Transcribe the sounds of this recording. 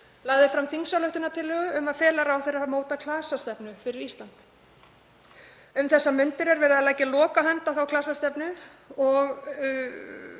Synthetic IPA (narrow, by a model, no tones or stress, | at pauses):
laːɣðɪfɾamθiŋsalʏht̪ʏnat̪ʰɪlːʏːɣʏʏmaðfɛːlaɾawθɛjramoːwt̪akʰlaːsast̪ɛpnʏfɪɾɪɾist̪lan̥t̪ | ʏmθɛsːamʏnt̪ɪɾɛɾvɛːɾɪðalajcɪlɔːkaɦɛnt̪aθawkʰlaːsast̪ɛpnʏɔɣ